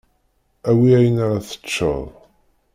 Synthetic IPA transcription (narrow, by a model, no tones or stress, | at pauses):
æwiæjənaɾaθə̥t͡ʃːə̰ðˤ